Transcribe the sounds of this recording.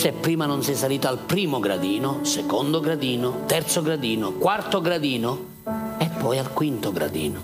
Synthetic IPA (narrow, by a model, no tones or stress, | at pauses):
sɛpːɾiːmanʊnsɛsːaliːt̪oalpɾiːmʊɡɾa̰d̪iːnʊsɛkɔnd̪oɡɾad̪iːnʊt̪ɛrt̪soɡɾad̪iːnʊkwart̪oɡɾad̪iːnʊ | ɛpːɔjalkwint̪ʊɡɾa̰d̪ḭːno